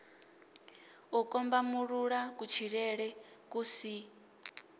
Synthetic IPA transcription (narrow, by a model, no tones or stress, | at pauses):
ukʼɔmbamuɺuɺakut͡ʃʰiɺɛɺɛkusi